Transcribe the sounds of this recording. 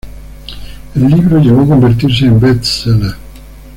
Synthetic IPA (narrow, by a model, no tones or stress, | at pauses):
ilːiːbɾoɟipɔkːoɱvert̪irs̬iimbɛt̪sele